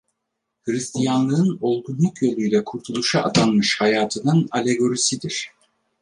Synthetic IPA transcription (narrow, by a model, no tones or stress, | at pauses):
hɯɾist̪ʰijanlˠɯɯno̞lˠɡunlˠukjelʲyjlʲɛkʰuɾt̪ʰulˠuʃaa̰t̪ʰanmɯʃhajaːt̪ʰɯnɯnalʲe̞ɡo̞ɾisid̪iɾ̥